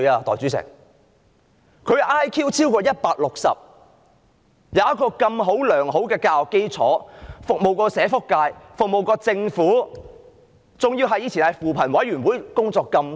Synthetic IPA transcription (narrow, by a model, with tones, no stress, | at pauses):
aː˧t̪ɔː˨jt͡syː˨˥sɪ̰˨˩ŋ | kʰɵ˨˧ɥʔaː˥jkʰiː˥wt͡sʰiː˥wkɔː˧jɐ˥t̚paː˧k̚lʊ˨k̚sɐ̰˨p̚ | jɐ˨˦wjɐ˥t̚kɔː˧kɐ˧mɦo˨˥wlœː˨˩ŋɦo˨˥wkɛː˧kaː˧wkːe˥jt͡sʰɔ̰ː˨˥fʊ˨k̚mo˨wkɔː˧sɛː˨˥fʊ˥kːaː˧jfʊ˨k̚mo˨wkɔː˧t͡sɪ˧ŋfuː˨˥ | t͡sʊ˨ŋji˧wɦɐ˨jiː˧t͡sʰiː˨˩nhɐ˨jfuː˨pʰɐ˨˩nwɐ˨˥jɥyː˨˩nwuː˨˥jkʊ˥ŋt͡sɔː˧kːɐ˧m